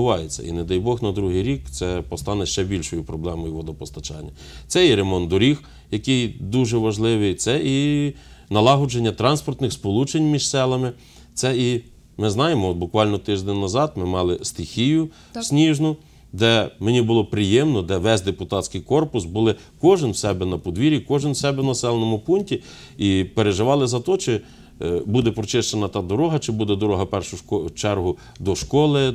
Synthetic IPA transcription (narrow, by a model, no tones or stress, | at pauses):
ʊɑjet͡sʲːɐ̰ḭned̪ɑjbɔxnɐd̪ɾuɦɪjɾʲikt̪sɛpɔst̪ɑnɛʃt͡ʃɛbʲilʲʃɔjʊpɾɔblˠɛmɔjʊʋɔd̪ɔpɔst̪ɐt͡ʃɑ̰nʲːɐ | sɛiɾemɔnd̪ʊɾʲix | jɐkɪjd̪uʒɛʋɐʒlˠɪʋɪjt̪sɛʔi | nɐlˠɑɦʊd͡ʒenʲːɐt̪ɾɑnspɔrt̪nɪxspɔlˠut͡ʃenʲmʲiʒsɛlˠɐmɪ | t̪sɛi | mɪznɑjemɔɔd̪bʊkʋɑlʲnɔt̪ɪʒd̪ɛnʲnɐzɑd̪mɪmɑlˠɪst̪ɪxʲijʊ | sʲnʲiʒnʊ | d̪ɛmenʲibʊlˠɔpɾɪjɛmnɔd̪ɛʋɛzʲd̪epʊt̪ɑt̪ʲsʲkɪjkɔrpʊsbʊlˠɪ | kɔʒɪnwsɛbɛnɐpɔd̪ʋʲiɾʲikɔʒɪnwsɛbɛwnɐsɛlˠenɔmʊpunʲtʲi | ipeɾeʒɪʋɑlˠɪzɐt̪ɔt͡ʃɪ | bud̪ɛpɾɔt͡ʃɪʃt͡ʃenɐt̪ɑd̪ɔɾɔɦɐt͡ʃɪbud̪ɛd̪ɔɾɔɦɐpɛrʃʊkɔt͡ʃɛrɦʊ | d̪ɔʃkɔlˠɪ